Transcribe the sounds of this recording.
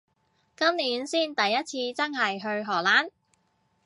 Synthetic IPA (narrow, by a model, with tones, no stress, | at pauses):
kɐ˥mliː˨˥nsiː˥nt̪ɐ˨jːɐ˥t̚t͡sʰiː˧t͡sɐ˥ŋɦɐ˨jɦɵ˧ɥɦɔː˨˩laː˨˥n